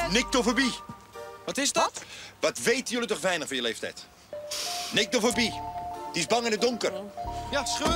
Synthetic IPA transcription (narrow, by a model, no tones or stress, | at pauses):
nɪk̚tofəbi | ʋɑtɪzdɔtʋɑtʋejtənjəlitɔχʋɛjnəχfɔnjəleːftɛ̰jt | nɪk̚tɔfəbid̥iɪsbɑŋɪndədʊŋkərjasχø